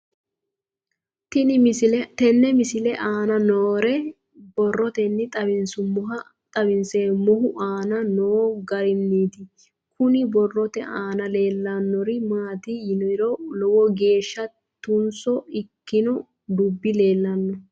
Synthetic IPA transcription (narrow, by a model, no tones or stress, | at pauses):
t̪ɪnɪɪt̪ɛnːɛmɪsɪlɛʔaːnɐnoːɾɛ | bɔrːɔt̪ɛnːɪt̪ʼɐbɪnsʊmɔɦɐ | t̪ʼɐbɪnseːmɔɦʊʔaːnɐnoːɡɐɾɪmːiːt̪ɪ | kʊnɪbɔrːɔt̪ɛʔaːnɐleːlːɐnːɔɾɪmaːt̪ɪjɪnɔɾɔlɔwɔɡe̞ːʃːɐ | t̪ʊnsɔɪkːɪnɔ | d̪ʊbːɪle̞ːlːɐnːɔ